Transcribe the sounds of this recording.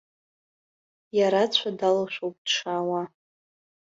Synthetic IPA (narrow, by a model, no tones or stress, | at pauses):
jaɾat͡sʷʰadalaʃʷᶣowp̚ʼd̥ʂawa